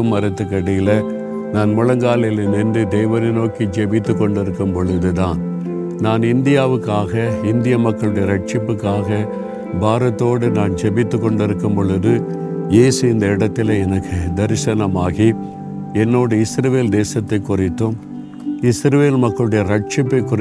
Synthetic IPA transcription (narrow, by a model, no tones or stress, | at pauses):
ɯmːɐɾɐt̪ːɯkːɐɽɪjɪlɐ | naːnmʊɻɐŋɡaːlɐjɪlɐnɛnd̪ɯd̪ɛjʋɐɾɪnoːkid͡ʒɛbɪt̪ːɯkːɔɳɖɪɾɯkːɯmpɔɭɯðɯt̪aːn | naːnɪnd̪ɪjaːʋɯkːaːɣɐɪnd̪ɪjɐmɐkːɐɭɯɽɐjɐɾɐʈ̚t͡ʃɪpːɯkːaːɣɐ | bʱaːɾɐt̪ːoːɽɯnaːnd͡ʒɛbɪt̪ːɯkːɔɳɖɪɾɯkːɯmpɔɭɯðɯ | jeːsɯɪnd̪ɐɪɽɐt̪ːɪlɐɛnɐkːɯd̪ɐɾsɐnɐmaːɣi | ɛnːoːɽɯɪsɾɐʋeːld̪eːsɐt̪ːɐɪkːʊrɪt̪ːɯm | ɪsɾɐʋeːlmɐkːɐɭɯɽɐjɐɾɐʈ̚t͡ʃɪpːɐɪkːʊ